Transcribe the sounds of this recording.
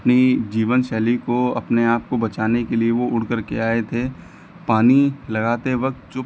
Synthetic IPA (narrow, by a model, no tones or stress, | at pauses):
ɐpnid͡ʒiːʋənʃɛːlikoɐ̰pneaːp̚kobɐt͡ʃaːnekelieʋoʊɽ̤kəɾkeaːet̪ʰe | paːnilɐɡaːt̪eʋɐk̚t̪̚t͡ʃʊp